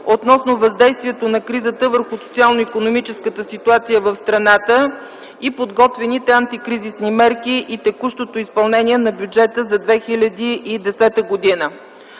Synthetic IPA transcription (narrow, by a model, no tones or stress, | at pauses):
ot̪nɔsnovɐzd̪ɛjst̪vʲiɛt̪onɐkɾizət̪əvəɾxʊsot̪sialˠnoikonomit͡ʃɛskət̪əsit̪uat̪sijəvəfst̪ɾɐnat̪ə | ipod̪ɡɔt̪vɛnit̪ɛant̪ikɾizisnimɛɾkiʔit̪ɛkuʃt̪ot̪oispɐlˠnɛnʲiɛnɐbʲjud͡ʒɛt̪əzɐd̪vɛxilʲɐd̪iʔid̪ɛsɛt̪əɡod̪inə